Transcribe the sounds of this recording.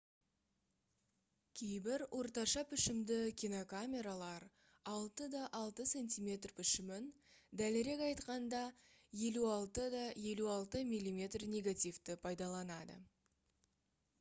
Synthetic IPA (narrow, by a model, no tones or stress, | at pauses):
kʲʰe̞jbɪɾwʔo̞ɾt̪ɑʃɑpʰɪʃɪmd̪ɪkʲinokamʲe̞ɾalˠɑɾ | ɑlˠt̪əd̪ɑʔɑlˠt̪əse̞nʲt̪ʲimʲe̞t̪rpʰɪʃɪmɪn | d̪ælɪɾe̞kɑjt̪qɑnd̪ɑ | je̞luɑlˠt̪əd̪ɑje̞luɑlˠt̪əmʲijlʲːimʲe̞t̪rnʲe̞ɡat̪ijft̪ɪpʰɑjd̪ɑlˠɑnɑd̪ə̰